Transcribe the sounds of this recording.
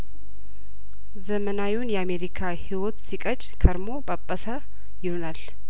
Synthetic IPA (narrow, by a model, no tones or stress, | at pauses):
zəmənawwunjɛame̞ɾikʰahiwot̪sikʼət͡ʃʼkʰəɾmo̞pʼəpʼːəsə | jɪhonal